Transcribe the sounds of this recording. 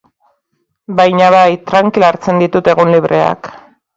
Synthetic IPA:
bajɲaβajt̪ɾaŋkilaɾt͡se̞nd̪it̪ut̪e̞ɣunliβɾʔe̞a̰k

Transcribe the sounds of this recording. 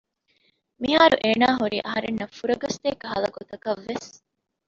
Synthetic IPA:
miɦaːɾuʔeːnaːɦuɾiːʔɐɦɐɾenːɐfuɾɐɡɐst̪eːkɐɦɐlɐɡot̪ɐkɐʋːes

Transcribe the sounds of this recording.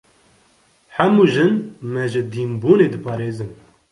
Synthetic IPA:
ħɛmuːʒɨnmɛʒɪd̪iːmbuːneːd̪ɨpʰɑːɾeːzɨn

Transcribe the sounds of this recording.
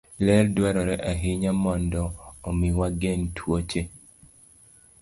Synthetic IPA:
lɛldwaɾɔɾɛʔaɦɪɲamɔndɔːmiwaɡɛntʰwot͡ʃe

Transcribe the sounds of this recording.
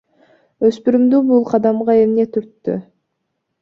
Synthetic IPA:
ø̞spyɾymd̪ybulˠqʰɑd̪ɑmʁɑe̞mne̞t̪ʰyɾt̪ːy̰

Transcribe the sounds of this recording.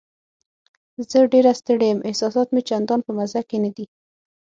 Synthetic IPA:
zəɖeɾast̪əɽejəmʔɪhsɑsɑt̪met͡ʃand̪ɑnpəmazakenad̪i

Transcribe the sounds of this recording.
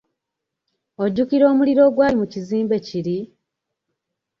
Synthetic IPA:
o̞ɟːukiɾo̞ːmuliɾo̞ːɡwaːimuciziːmbe̞ciɾi

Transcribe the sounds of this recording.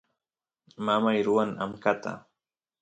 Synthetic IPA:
mamajɾʊwaŋa̰mkat̪a̰

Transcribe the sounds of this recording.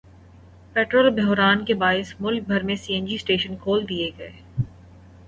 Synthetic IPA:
pɛːʈɾoːlbɛɦɾaːnkebaːɪsmʊlk̚bʱɐɾmẽsiːɛ̃nd͡ʒisʈeːʃənkʰoːld̪ieɡɐeː

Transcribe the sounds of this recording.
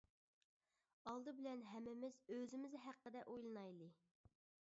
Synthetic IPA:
ɑlˠd̪ɨbɪlɛnɦɛmːɪmɪzøzɪmɪzɦæqːəd̪ɛʔojlˠɨnɑjlˠɨ

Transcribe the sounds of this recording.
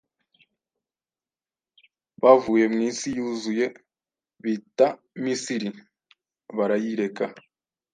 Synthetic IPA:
βavuːje̞mŋiːnsijuːzuje̞ | βita | misiɾi | βaɾajiɾe̞ka

